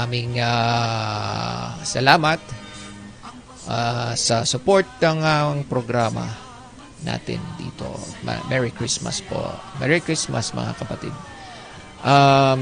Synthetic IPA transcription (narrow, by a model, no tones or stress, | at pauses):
amɪŋa | sɐlaːmɐt̪̚ | ʔasɐsʊpoɹt̪̚nɐŋɐŋpɾoɡɾaːmɐ̰ | na̰ːt̪ɪ̰nd̪ḭːt̪o̰mɐ̰mʔɛɹɪkɹismɐ̰spo̰mɛɹɪkɹismɐsmɐ̰ŋa̰kɐpɐt̪ḭd̪̚ | ʔa